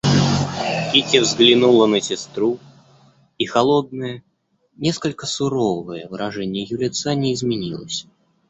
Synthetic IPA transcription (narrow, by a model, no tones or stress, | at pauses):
kʲitʲɪvzɡlʲɪnulˠənəsʲɪst̪ɾu | ixɐlˠod̪̚nəjə | nʲeskəlʲkəsʊɾovɨjəvɨɾɐʐɛnʲɪjəjʊɾʲɪt̪sanʲɪɪzmʲɪnʲilˠə̰sʲ